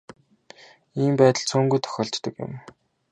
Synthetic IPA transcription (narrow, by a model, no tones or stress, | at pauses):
iːmpæːt̪ə̆ɮt͡sʰuːŋɡujt̪ʰœ̥xʲɔːɬt͡ɕt̪ə̆kjʊ̰̆m